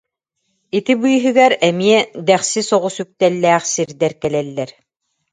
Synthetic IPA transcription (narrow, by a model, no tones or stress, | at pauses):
it̪ibɯjɦɯɡæɾɛmiɛd̪ɛχsisɔʁusyk̚t̪ɛlːɛːχsiɾd̪ɛɾkɛlɛlːɛɾ